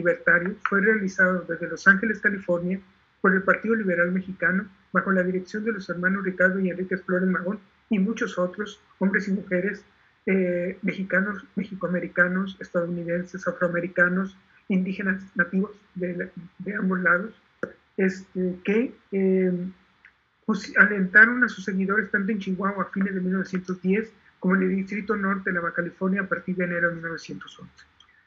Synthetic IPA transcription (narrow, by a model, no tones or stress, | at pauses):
liβe̞ɾt̪aɾjofwe̞re̞alisaðoðe̞zðelo̞saŋxe̞le̞skalifo̞ɾnja | po̞ɾe̞lpaɾt̪iðo̞liβ̞e̞ɾalme̞xikano̞ | βaxo̞lað̞iɾe̞ksjo̞nd̪e̞lo̞se̞ɾmãno̞zrikaɾðoienrikesflo̞ɾe̞zmaɣo̞n | imut͡ʃo̞so̞t̪ɾo̞s | ombɾe̞simuxe̞ɾe̞s | eme̞xikano̞sme̞xikoame̞ɾikano̞se̞st̪aðouniðe̞nse̞safɾoame̞ɾikano̞s | ind̪ixe̞naznat̪iβo̞z | ðed̪eambo̞zlaðo̞s | est̪ekee | usale̞nt̪aɾo̞nasu̥sːe̞ɣiðo̞ɾe̞st̪ant̪oent͡ʃiɣwaoafinezðe̞milnoe̞sje̞nt̪ozðje̞s | komoeneld̪ist̪ɾit̪ono̞ɾt̪elaβakalifo̞ɾnjaːpaɾt̪iɾðene̞ɾo̞ðemilno̞βe̞sjent̪o̞so̞nse̥